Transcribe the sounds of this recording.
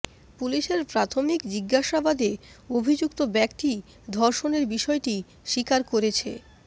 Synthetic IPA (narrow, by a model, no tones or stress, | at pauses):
puliʃeɾpɾat̪ʰomikd͡ʑiɡːaʃabad̪eobʱid͡ʑukt̪obɛkt̪i | d̪ʱɔɾʃoneɾbiʃɔeʈi | ʃikaɾkoɾet͡ɕʰḛ